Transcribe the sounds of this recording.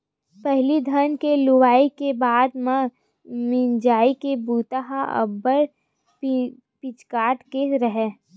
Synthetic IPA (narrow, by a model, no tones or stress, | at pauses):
pɛɦlid̪ʱənkelʊwaːikebaːd̪mẽ | mɪnd͡ʒaːikebuːt̪aɦaə̰bəɾ | pɪt͡ʃkaːʈkeɾɐɦeː